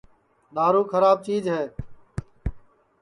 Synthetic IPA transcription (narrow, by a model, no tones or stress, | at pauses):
ɗ̪aːɾuːkʰəɾaːb̚t͡ʃiːd͡ʒɦɛː